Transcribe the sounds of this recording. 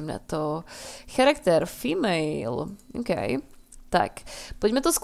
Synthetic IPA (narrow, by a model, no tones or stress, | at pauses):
mnɛ̰t̪oxaɾakt̪ɛɾfimejlo̰kḛjt̪a̰kpɔd̪ʲmɛt̪osk